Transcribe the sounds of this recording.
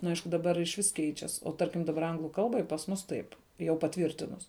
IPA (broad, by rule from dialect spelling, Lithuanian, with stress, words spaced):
nʊ ˈɐɪʃkʊ dɐˈbɐr ɪʃʲˈʋʲɪs ˈkʲɛɪt͡ʃʲɛs oː ˈtɐrʲkʲɪm dɐˈbɐr ˈɐŋɡlˠʊ ˈkɐlˠbɐɪ pɐs ˈmʊs tɐɪp jɛʊ pɐˈtʲʋʲiːrʲtʲɪnʊs